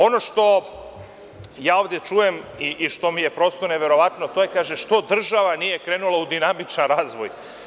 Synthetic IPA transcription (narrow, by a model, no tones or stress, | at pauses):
o̞no̞ʃt̪o̞ | jaːo̞ːʋd̪je̞t͡ʃuje̞miʔiʃt̪o̞mije̞pɾo̞st̪one̞ʋe̞ɾo̞ʋat̪no̞t̪o̞je̞kaːʒeʃt̪o̞d̪r̩ʒaʋanijekɾeːnulaud̪inamit͡ʃnanɾaːzʋo̰j